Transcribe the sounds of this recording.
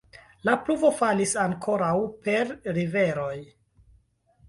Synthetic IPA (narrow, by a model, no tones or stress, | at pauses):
lapluvo̞falisaŋkʰo̞ɾawpe̞ɾɾive̞ɾo̞j